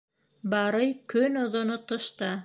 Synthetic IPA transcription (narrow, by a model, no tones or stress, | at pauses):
bɑɾɤjkɵnŏðŏnot̪ŏʃt̪ɑ